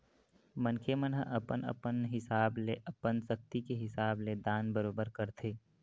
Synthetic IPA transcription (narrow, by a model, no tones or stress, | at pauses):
mənkʰemənɦə̰ʔɐpənə̰pənɦɪsaːbleʔəpənsɐk̚t̪ikeɦɪsaːbled̪aːnbəɾoːbəɾkəɾt̪ʰeː